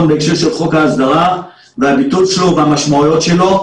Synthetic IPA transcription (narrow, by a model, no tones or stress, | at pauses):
nbeːkʃe̞ʁʃe̞lχo̞kaːzd̪aʁa | veabit̪ut͡sʃelo̞veamaʃmaujo̞t̪ʃe̞lo̞